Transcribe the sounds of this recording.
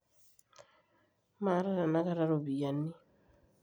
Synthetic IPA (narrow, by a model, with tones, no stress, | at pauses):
ma˨˦ɾa˦ɾa˨na˦ka˦ɾa˦ɾo˨bi˨ja˨ni˦